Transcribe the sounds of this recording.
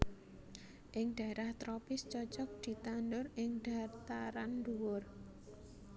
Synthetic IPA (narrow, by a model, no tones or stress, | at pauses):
ʔɪŋɖ̪̥a̤eɾaht̪ɾɔpɪst͡ʃɔt͡ʃɔk̚d̪̥i̤t̪andʊrɪŋd̥a̤rt̪aɾanduwʊr